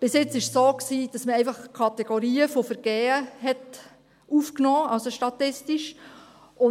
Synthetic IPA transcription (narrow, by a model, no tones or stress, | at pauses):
b̥ɪsjɪt͡sɪʃsoːksiːd̥ɑsməɛɪfɑχkʰɑt̪ɛɡ̥oɾiːəfofəɾɡ̥ɛːəɦɛt | uːfknɔːɑlsoʃtɑtɪstiʃ | ʊ